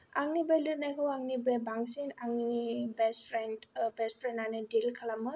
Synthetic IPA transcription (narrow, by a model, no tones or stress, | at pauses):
ʔaŋnibɛlənakʰowaŋnibɛbaŋsinaŋnibɛsfɾɛndbɛstfɾɛ̃nanədilkʰalamə